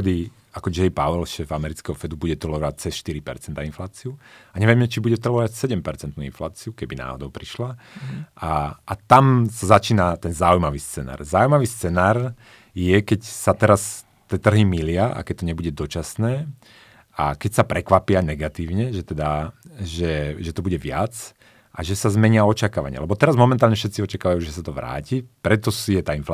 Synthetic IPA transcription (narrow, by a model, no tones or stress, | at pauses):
ɛd̪i | akɔd͡ʒɛjpaʋɔlʃɛːvamɛɾit͡skɛɦɔfɛd̪ubuɟɛt̪ɾ̩lɔʋac̚t͡sɛsʃt̪iɾipɛ̰ɾt͡sɛnt̪ainflaːt͡siuaɲɛʋjɛmɛt͡ʃibuɟɛt̪ɾr̩lɔʋacsɛɟɛmpɛɾt͡sɛnt̪nuːḭnflaːt͡siukɛbina̰ːɦɔ̰d̪ɔʊpɾiʃlaʔaat̪amsazat͡ʃiːnat̪ɛnzaujmaʋiːst͡sɛna̰ːɾzaujmaʋiːst͡sɛnaːɾ | jɛkɛcsat̪ɛɾas | t̪iɛːt̪r̩ɦimilɪaʔa̰kɛc̚t̪ɔɲɛbuɟɛd̪ɔt͡ʃasnɛː | a̰kɛcsapɾɛkʋapɪanɛɡat̪iːʊɲɛʒɛt̪ɛd̪aʒɛʒɛt̪ɔbuɟɛʋɪa̰t͡s | ʔaʒɛsazmɛɲɪaɔt͡ʃakaːʋa̰ɲɪ̰a̰lɛbɔt̪ɛɾazmɔmɛnt̪aːlɲɛfʃɛt̪t͡siɔt͡ʃakaːʋajuʒɛsat̪ɔʋɾa̰ːcipɾɛt̪ɔsijɛt̪aːinfa